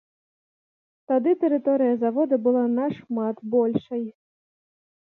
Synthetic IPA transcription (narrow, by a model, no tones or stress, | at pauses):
t̪ad̪ɨt̪ɛɾɨt̪ɔɾɨjɐzavɔd̪ɐbɨlˠanaʂmat̪bɔlʲʂɐj